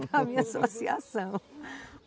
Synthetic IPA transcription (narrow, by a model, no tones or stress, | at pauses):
amĩɲasosia̰sɐ̃w̃